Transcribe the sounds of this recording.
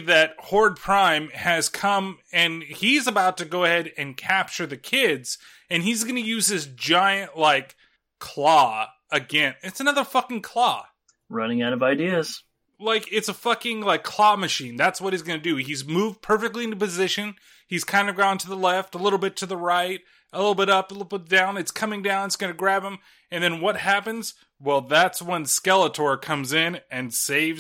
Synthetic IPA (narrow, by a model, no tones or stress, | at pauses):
ðɨt̚hɔɹd̚pʰɹ̥ãɪ̃mɨz̥kʰʌ̃mɨ̃nizəbaʊtɨɡoʊɨhɛɾɨ̃nkʰæp̚t͡ʃə˞ðɨkʰɪdz̥ | ɨ̃nizɡʌnɨjʉz̥ɪsd͡ʒaɪɨ̃nʔlaɪkʰ | l̥ɔ | ɨɡɛ̃nɨtsɨnʌðə˞fʌkɪ̃ŋkʰl̥ɔ | ɹʌnɪ̃ŋaʊɾʌvaɪdiɨz̥ | laɪkɪtsəfʌkɪ̃ŋlaɪkʰl̥ɑmɨʃĩnðætswʌɾ̚izɡʌnɨdɨizmuvpʰɜ˞fɨk̚tˡliɪ̃ntpɨzɪʃɨ̃n | iz̥kʰãɪ̃ndʌvɡɑ̃ʊ̃ntʰɨðəlɛftəlɪɾl̩ˠbɪtʰɨðəɹaɪt̚ | əlɪɾl̩ˠbɪɾʌpəlɪɾl̩ˠbɪt̚d̥ãʊ̃nɨtskʰʌ̃mɪ̃ŋdãʊ̃nɨtsɡ̥ʌnɨɡɹæbə̃m | ɨ̃nðɨ̃nwʌt̚hæpɨ̃nz̥ | wɛlˠðætswə̃nskɛlˠətʰɔɹkʰʌ̃mzɪ̃nɨ̃nseɪv